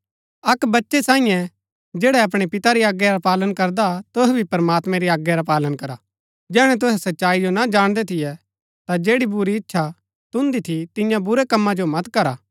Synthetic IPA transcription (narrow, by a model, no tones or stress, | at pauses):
ɐkbɐtːʃesãːĩjɛ̃ | d͡ʒeːɽɛɐp̬ɽ̃epɪt̪aɾiaːɡjɛɾapaːlənkɐɾd̪at̪ʊɦɛbʱipɐɾəmaːt̪mɛ̃ɾiaːɡjɛɾapaːlənkɐɾa | d͡ʒɛːɽ̃ɛ̃t̪̬ʊɦɛsɐtːʃaːid͡ʒonad͡ʒaːɽ̃d̪ɛt̪ʰɪjɛ | t̪ad͡ʒeːɽibʊɾiɪtːʃʰa | t̪ʊ̃nd̪it̪ʰit̪ɪ̃jãbʊɾɛkɐmːãd͡ʒomɐt̪kɐɾaː